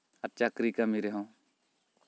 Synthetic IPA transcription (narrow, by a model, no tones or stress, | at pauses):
ɐt͡ʃakɾikamiɾeɦõː